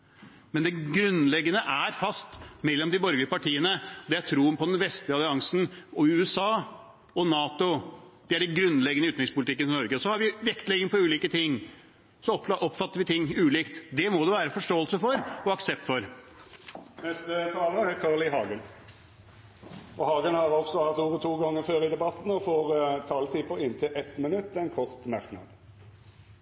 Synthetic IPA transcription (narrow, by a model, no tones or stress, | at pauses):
mɛnd̪ɛɡɾʉnlɛɡːənəʔæɾfɑst̪mɛlːɔmd̪ɪbɔɾɡlɪəpɑʈʰiːənəɔd̪ɛæt̪ʰɾuːənpʰɔd̪ɛnʋɛst̪lɪɑlɪɑŋsn̩ɔʉːɛsɑː | ɔnɑːt̪ʊd̪̥ɪæɖɛnɡɾʉnːlɛɡənəʉːt̪ɾɪŋspʰʊlt̪ɪkːənɪnɔɾɡəɔsɔhɑɾʋɪʋɛkt̪lɛɡɪŋpʰɔʉːliːkət̪ʰɪŋː | sɔpʔɔpːfɑt̪ːəɾʋɪt̪ʰɪŋːʉːliːkt̪d̪ɛmɔd̪ɛʋæːɾəfɔʂʈoːəlsəfɔɾɔɑksɛp̚t̪fɔɾ | nɛst̪ət̪ʰɑːləəækʰɑːʁlɪɦɑːɡən | ɔhɑːɡənhɑʁɔɡsɔʋɑʁt̪uːʁət̪ʰuːɡɑŋːəføːɾɪd̪ɛbɑt̪n̩ɔfoːɾt̪ʰɑːlt̪ʰiːpəɾɪnt̪ʰɪlʔɛt̪mɪnʉt̪ːɛnkʰɔʁt̪mæʁknɑ̰d̪